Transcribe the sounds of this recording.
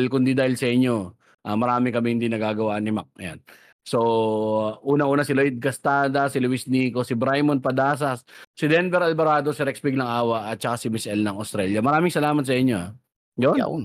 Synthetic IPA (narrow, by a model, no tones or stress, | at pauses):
lkʊnd̪id̪aːhɪlsɐʔɪɲːo̞ | ʔamɐɾaːmɪkɐmɛhɪnd̪inɐɡaːɡɐwaʔnɪmak̚ʔɐ̰ja̰n | so̞ | ʔuːnɐʔuːnɐsɪlojd̪̚kɐst̪aːd̪ɐsɪlʊwɪsniːkosɪbɾajmonpɐd̪aːs̬ɐsːɪd̪ɛnbɛɾɐlbɐɾaːd̪o̞sɪɾɛkspɪɡ̚nɐŋʔaːwɐʔɐt̪̚t͡ʃɐkasɪmɪsʔɛlnɐŋost̪ɾɛljɐmɐɾaːmɪŋsɐlaːmɐt̪̚sɐʔɪɲːo̞a | jon̰